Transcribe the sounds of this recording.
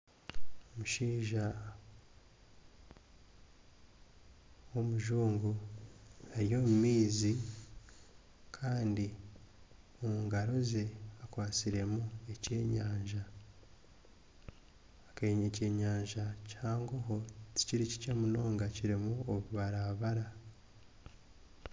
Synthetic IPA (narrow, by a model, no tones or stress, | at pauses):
omuʃiːʒa | wo̞muʒuːŋɡu | aɾijo̞mumiːzi | kʰaːndi | omuŋɡaɾo̞ze̞akwaːt͡siɾe̞mue̞ce̞ːɲaːɲʒa | keɲece̞ːɲaːɲʒacaːŋɡoɦo̞ti̥ciɾici̥ce̞muno̞ːŋɡaciɾimuoβuβaɾaβaɾa